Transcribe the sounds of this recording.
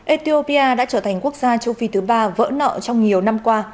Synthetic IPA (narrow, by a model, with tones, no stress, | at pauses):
ʔe˧t̪i˧o˧pi˧ʔaː˧ɗa̰ː˧˥t͡ɕəː˧˩t̪ʰa˨˩jŋ̟ku˦˥ək̚zaː˧t͡ɕə˧wfi˧t̪ʰɨ˨˦ɓaː˧və̰ː˧˥nɔ̰˧˨t͡ɕɔ˧wŋ͡mɲi˨˩əwna˧mkwaː˧